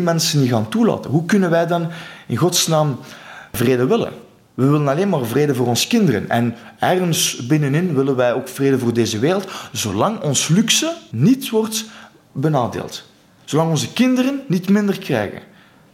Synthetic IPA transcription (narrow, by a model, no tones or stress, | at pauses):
mɛnsəniɣaːntula̰ːtənɦukɵnənʋɛjdɑnɪnɣɔtsnaːmvreːdəʋɪlə̰n | ʋəʋɪlənɑleːnmaːrvreːdəvoːrɔnzə̥kɪndərə̰nɛ̰nɛrɣənsbɪnənɪnʋɪlənʋɛjoːkfreːdəvoːrdeːzəʋeːrəlˠtzoːlɑŋɔnslyksənitʋɔrt | bənaːdḛːlˠt | z̥olɑŋɔnzəkɪndərənːitmɪndərkrɛ̰jɣə̰n